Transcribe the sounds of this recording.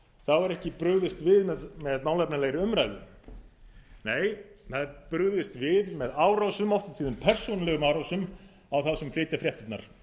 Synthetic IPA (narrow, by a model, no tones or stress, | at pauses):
θawvaɾɛhcɪpɾʏɣðɪst̪vɪðmɛðmɛðmawlɛpnaleːjɾɪʏmɾajðʏm | neːjθaðpɾʏɣðɪst̪vɪðmɛðaːwɾawsʏmɔft̪ant̪siːðanpʰɛr̥suːnalɛɣʏmaːwɾawsʏm | awθaðsɛmflɪːt̪afɾjɛht̪ɪt̪na̰ɾ̥